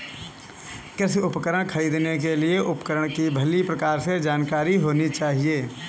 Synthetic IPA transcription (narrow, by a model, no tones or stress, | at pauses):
kɪsʊpkəɾəɽ̃kʰəɾiːd̪nek̬elieʔʊpkəɾəɽ̃kibʱəlipɾəkaːɾsed͡ʒaːnkaːɾiɦoːnit͡ʃaːɦieː